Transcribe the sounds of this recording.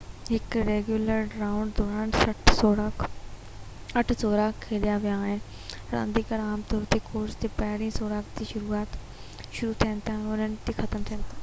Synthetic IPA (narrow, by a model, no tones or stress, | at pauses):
ɦɪkɾeːɡjuːləɾɖɾaːʊ̃ɳɖd̪ɔːɾãːɳɖsɐːɾa | ɐʈʰsoːɾaːkkʰːeːlijaʋijaːɦɪnɪ | ɾã̰ːnd̪ikəɾaːmt̪ɔːɾt̪ʰikʰoːɾst̪epɐɦɪɽĩsoːɾaːkd͡ʑiʃʊɾuaːt̪ | ʃʊɾut̪ʰijə̃nɪ̆t̪ʰaːʊn̤ənɪ̆t̪ixɐt̪əmt̪ʰijə̃nɪt̪ʰaː